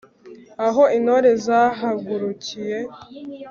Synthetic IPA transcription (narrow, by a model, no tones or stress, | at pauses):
aɦo̞inoɾe̞zaɦaɡuɾucije̞